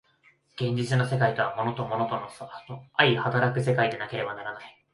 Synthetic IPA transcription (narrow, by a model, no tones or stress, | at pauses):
ɡ̥ẽ̞ɲ̟d͡ʑit͡sɨnose̞kait̪o̞amo̞no̞t̪o̞mo̞no̞t̪o̞nosnoaihat̪aɾakɯ̟se̞kaid̪e̞nake̞ɾe̞banaɾanai